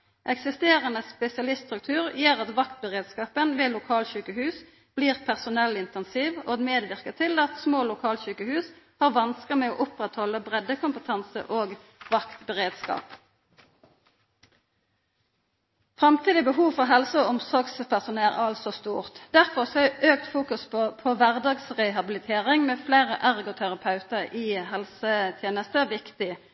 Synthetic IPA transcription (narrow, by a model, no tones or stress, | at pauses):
ʔɛksɪst̪eːʁənəspɛsɪɑlɪst̪st̪ʁʉk̚t̪ʰʉːʁjeːʁɑt̪ʋɑkt̪̚bəʁeːd̪skɑːpənʋeːlʊkʰɑːlçʉːkəhʉːs | b̥liːʁpʰæʁsʊnɛlɪnt̪ɛnsiːʋoːɡmeːd̪ʋɪʁkət̪ʰɪlɑt̪smoːlʊkʰɑːlçʉːkəhʉːshɑːʁʋɑnskəmɛoːʔʊpʁɛt̪hɔlːəbʁɛd̪ːəkʰʊmpət̪ʰɑnsə̰ʔoːɡ | ʋɑkt̪bəʁeːd̪skɑ̰ːp | fʁɑmt̪ʰiːd̪ɪbəɦuːʋfɔʁɦɛlsəɔɔmsɔʁɡspʰæʁsʊnːæʁæ̰ɑlsɔst̪uːʁt̪d̪̥æʁfɔʁsɔæʔøːk̚t̪fuːkʉsppʰɔʋæʁd̪ɑːɡsʁɛɦɑbɪlɪt̪ʰeːʁɪŋmeːfleːʁəʔæʁɡɔt̪ʰæʁɑpʰɑʉt̪əʁiɦɛlsət̪ʰjeːnəst̪əʋɪkt̪ɪ